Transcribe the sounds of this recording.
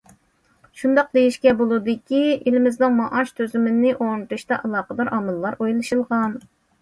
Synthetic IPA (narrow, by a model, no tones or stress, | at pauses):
ʃund̪ɑq̚d̪ejiʃkʲɛbolˠɨd̪ɨkʲielɪmɪzd̪ɨŋmɑʔɑʃt̪ʰøzɪmɪnnɪʔonɨt̪ʰuʃt̪ɑʔɑlˠɑːqəd̪ɑɾʔɑmɨlˠːɑɾojlˠɨʃɨlˠʁɑn